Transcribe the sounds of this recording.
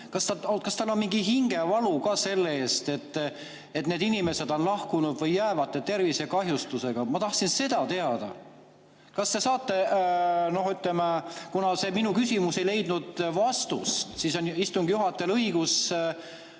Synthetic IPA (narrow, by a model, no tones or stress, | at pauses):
kɑst̪ɑokɑst̪ɑlːo̞nmiŋɡiɦiŋɡ̥e̞vɑlukɑːse̞lːeeːst̪e̞t̪ːˑ | e̞t̪ne̞ːd̪inime̞se̞d̪̥o̞nlɑhkunud̪̥vɤjːæːvɑt̪ˑːe̞t̪e̞rvise̞kɑɦjust̪use̞ɡ̥ɑmɑt̪ɑht̪sinse̞d̪̥ɑt̪e̞ɑd̪̥ɑ̰ | kɑst̪e̞sɑːt̪ːe̞ | no̞hyt̪ˑlemekunɑse̞minukysʲimusejle̞jd̪̥nud̪̥vɑst̪ṵst̪siso̞nist̪uŋɡ̥juɦɑt̪ːˑe̞lɤiɡ̥us